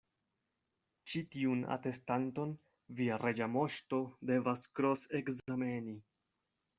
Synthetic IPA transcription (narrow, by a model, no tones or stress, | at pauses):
t͡ʃitiuna̰te̞stanto̞n | viaɾe̞d͡ʒamo̞ʃto̞de̞vaskɾo̞sekzame̞ni